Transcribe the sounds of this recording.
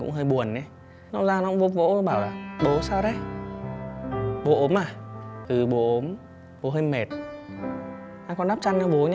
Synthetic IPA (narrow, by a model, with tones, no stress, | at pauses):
kʊ̰˧˥ŋ͡mɦəː˧jɓu˨˩ənːe˨˦ | nɔ˨˧˦zaː˧n˧˦kŋ͡mvo̰˧˦vo̰˧˥˧ɓaː˧˩wlaː˨˩ɓo˨˦saː˧wɗe˨˦ | ɓo˨˦ʔo˨˦mʔaː˨˩t̪ɨ˨˩ɓo˨˦ʔo˨˦m | ɓo˨˦ɦə˧ŋme˨˩t̚ | ʔaː˧kɔ˧nɗaː˦˥p̚t͡ɕa˧nnɔ˨˧˦ɓo˨˦ɲ